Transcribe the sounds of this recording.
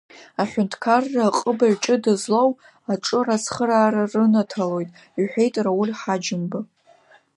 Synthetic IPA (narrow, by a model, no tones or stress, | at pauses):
aħʷᶣʊntʰkʰarːaqʼəbaɥʈ͡ʂʼɨdazlow | aʈ͡ʂʼɨrasχəɾaːɾarɨnatʰalo̞jtʼ | iħʷᶣe̞jtʼrawʊlʲħad͡ʒɪmbɨ